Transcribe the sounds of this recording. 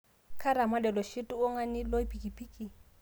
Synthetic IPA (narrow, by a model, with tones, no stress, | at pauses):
kʰa˦ɾa˨ma˦dɛ˨lɔ˨ʃi˦tʼʊ˦ʊ˦ŋa˦nɪ˦lo˦i˦pi˨kʼi˨pʰiː˦kʼi˨